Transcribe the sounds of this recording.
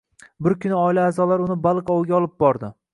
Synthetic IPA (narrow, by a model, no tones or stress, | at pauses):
bɪɾkʲʰʊnɪɒɪlaːzɒlaɾʊnɪbalˠqɒwɡʲaɒlˠɪp̚bɒɾd̪ɪ